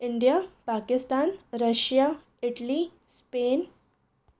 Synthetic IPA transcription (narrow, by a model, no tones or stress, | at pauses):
iɳɖijapakist̪anɾəɕja | iʈli | spen